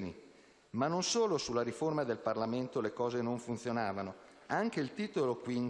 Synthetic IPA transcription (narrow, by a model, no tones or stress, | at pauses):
nḭ | manːonsoːlosulːaɾiformad̪elparlament̪olekɔːzenoɱfunt̪sjonaːvano | aŋk̟eilt̪iːt̪olokwin